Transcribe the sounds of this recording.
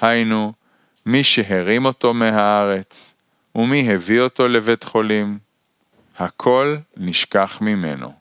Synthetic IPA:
hajnu | miʃeɦeʁimo̞to̞meɦaaʁe̞t͡s | umiɦevio̞to̞le̞ve̞tχo̞lim | hakʰo̞lniʃkaχmime̞̰no̞̰

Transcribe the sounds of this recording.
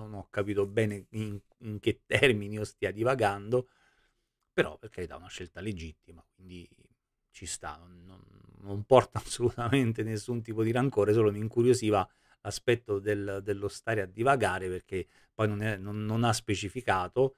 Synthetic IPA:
nonɔkːapiːt̪obɛːneiŋ | iŋk̟et̪ːɛrminiost̪iːad̪ivaɡand̪o | peɾɔ̰pːerk̟eajd̪a̰unaʃːelt̪aled͡ʒit̪ːimakwind̪i | t͡ʃist̪a̰nonːonː | ompɔrt̪aːsːolut̪ament̪enesːunt̪̬iːpod̪iɾaŋkoːɾes̬oːloniŋkuɾjosiːva | laspɛt̪ːod̪eld̪elːost̪aːɾead̪ːivaɡaːɾeperk̟e | pːɔjnonɛnonːonaspet͡ʃifikaːt̪o

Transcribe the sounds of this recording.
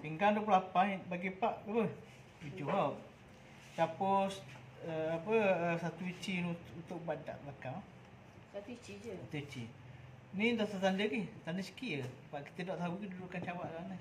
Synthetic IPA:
piŋɡanduəp̬lulapanbaɡipaʔkəpə | t̪ud͡ʒoɦɔ | t͡ʃapos | əapəəsat̪uit͡ʃinut̪ʊʔ̚bada̰ʔblaka | at̪uit͡ʃi | nidot̪at̪andəɡiht̪anəsə̥kiəbaʔki̥t̪ədɔʔt̪aukidudukant͡ʃawaʔsaanə

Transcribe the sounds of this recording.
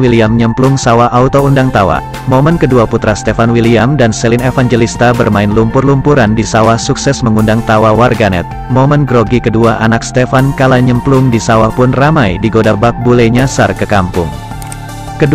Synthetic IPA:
wiliamɲəmplʊŋsawaʔaut̪oundaŋt̪awa̰ | momənkəduaput̪ɾast̪efanwiliamdansɛlinefaŋd͡ʒelist̪abərmaɪnlumpʊrlumpuɾandisawahsuksɛsməŋundaŋt̪awawarɡanɛ̰t̪̚momənɡɾoɡikəduaʔanak̚st̪efankalaɲəmplʊŋdisawapʊnramajdiɡodabak̚bulɛɲasarkəkampʊ̰ŋ | kəd

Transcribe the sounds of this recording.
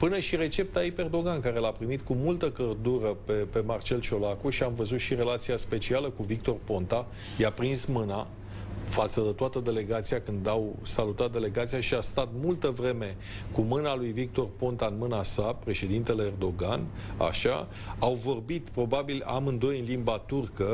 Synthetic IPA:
pɨnəʃiɾe̞t͡ʃe̞p̚t̪aipeerd̪o̞ɡankaɾe̞lapɾimit̪kumult̪əkərd̪uɾəpepe̞mart͡ʃe̞lt͡ʃo̞lakuʃiamvəzut̪ʃiɾe̞lat̪siaspe̞t͡ʃialəkuvik̚t̪o̞rpo̞nt̪a | japɾinsmɨna | fat̪səd̪et̪oat̪əd̪e̞le̞ɡat̪sijakɨnd̪awsalut̪at̪̚d̪e̞le̞ɡat̪sijaʃiast̪at̪mult̪əvɾe̞me̞ | kumɨnalujvik̚t̪o̞rpo̞nt̪aɨnmɨnasapɾe̞ʃe̞d̪int̪e̞le̞ːrd̪o̞ɡan | a̰ʃa̰ | awvo̞rbit̪pɾo̞babila̰mɨnd̪o̞jɨnlimbat̪urkə

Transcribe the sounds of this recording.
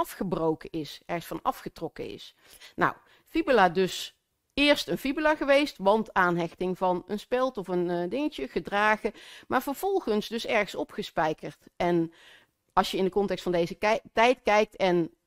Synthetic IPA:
ɑfχəbrowkəʔɪsɛɹχəsfɑnɑ̰fχətrɔkəɪ̰s | na̰w | fibəladɵs | ɪːɹstənfibəlaːχəʋejstʋɑntaːnɦɛxtɪŋvɑnənspɛlˠtɔfəndɪŋəcəχədraːχəmaːɹvəɹv̥ɔlˠχənsdɵsɛɹχəsɔpχəspɛjkəɹtɛn | ɑlˠsjəɪndəkɔntɛkstfɑndejzətɛjtkɛjk̚tɛn

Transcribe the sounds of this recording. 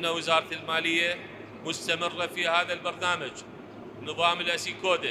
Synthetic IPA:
nawɪzɑːɾˤɑt̪ɪlmaːlɪjːa | mʊst̪amɪrˤːafihaːðalbɑɾˤnaːmad͡ʒ | nɨðˤɑːmɪlʔasikoːd̪ɪ

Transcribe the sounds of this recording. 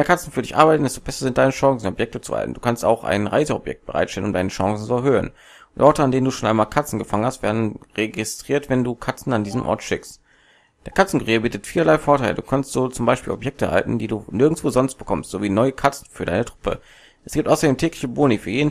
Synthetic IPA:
mːɐkʰat͡sn̩fyɐdɪçʔa̰ɐbaɪtn̩dɛstob̥ɛsɐzɪnt̚d̥aɪnəʃãŋsn̩ɔpjɛk̚tət͡sṵha̰l̰tn̩d̥uːkʰansta̰ʊxʔa̰ɪnʁa̰ɪzəɔbjɛ̰k̚t̚b̥əʁa̰ɪtʃtɛlənʊmdaɪnəʃãŋsn̩t͡suɛɐɦøːə̰n | ʔɔɐtəandeːnənduːʃoːnʔaɪnmaːlkʰat͡sn̩ɡəfaŋənhastv̥eːɐdn̩ʁeɡistʁ̥iːɐtv̥ɛnduːkʰat͡sn̩andiːzəmʔɔ̰ɐtʃɪkst | d̥eːɐkʰat͡sn̩kʊʁiːəbiːtətfiːlɐlaɪfoːɐtʰaɪlə̰duːkʰanstz̥oːt͡sʊmbaɪʃpiːlɔpjɛk̚təha̰ltn̩diːduːnɪɐɡŋ̩t͡sv̥oːzɔnst̚b̥əkʰɔmstz̥oːviːnɔʏəkʰat͡sn̩fyːɐdaɪnətʁ̥ʊpə̰ | ʔɛsɡ̥iːp̚tʔaʊsɐdeːmtʰɛːklɪçəboːnifyːɐjeːdn

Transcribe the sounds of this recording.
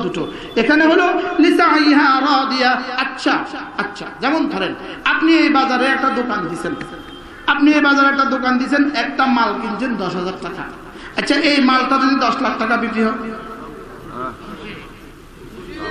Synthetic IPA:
d̪uʈo | ekʰaneɦololisaajɦãɾɔːd̪ijaatːɕʰaatːɕʰa̰d͡ʑɛmont̪ʰɔɾenapniejbad͡ʑaɾeɛk̚ʈad̪okand̪isʰen | apniejbazaɾeɛk̚ʈad̪okand̪isʰenɛk̚ʈamalkind͡ʑend̪ɔʃɦazaɾʈaka̰ | ɐtːɕʰaʔejmaltad̪od̪id̪ɔʃlak̚ʈakabiʈiɦɔ

